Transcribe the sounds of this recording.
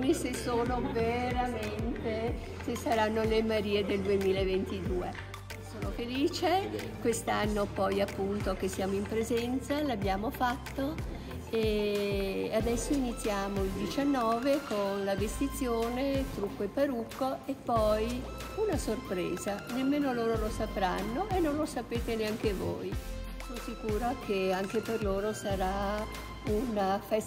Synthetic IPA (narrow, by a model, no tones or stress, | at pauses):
isesoːnoveɾament̪e | sesːaɾanːolemaɾiːed̪eld̪uemiːlaevent̪id̪uːe | soːnofeliːt͡ʃekwest̪anːopɔjapːunt̪ok̟esːjaːmoimpɾezɛnt̪salabːjaːmofat̪ːo | e | ad̪ɛsːoinit̪sːjaːmoild̪it͡ʃanːɔːvekonlavest̪it̪sːjoːnet̪ɾukːoepːaɾukːoepːɔj | unasorpɾɛ̰ːzanemːeːnoloːɾolosapɾanːoʔenːõnlosapeːt̪eneaŋkevo̰j | sonsikuːɾakʰeaŋkeperloːɾosaɾa | unafɛs